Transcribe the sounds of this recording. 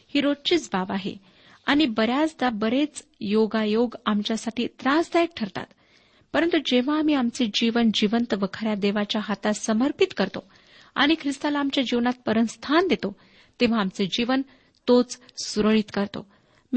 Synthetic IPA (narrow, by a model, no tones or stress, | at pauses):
hiːɾot͡ɕiːt͡sbabaɦḛ | aɽ̃ibəɾjat͡sd̪abəɾet͡sjoɡajoɡamt͡ɕjasaʈʰiːt̪ɾãsd̪ajek̚ʈʰəɾt̪a̰t̪ | pəɾənt̪ud͡ʑeʋ̤aːm̤iamt͡sed͡ʑiʋənd͡ʑiʋənt̪əʋəkʰɾjad̪eʋat͡ɕjaɦat̪asəməɾpit̪kəɾt̪o | a̰ɽ̃ikʰɾist̪alaːmt͡ɕjad͡ʑiʋnat̪̚pəɾənst̪ʰand̪et̪o | t̪eʋ̤aːmt͡sed͡ʑiʋən | t̪ot͡ssuɾəɭit̪kəɾt̪o̰ | m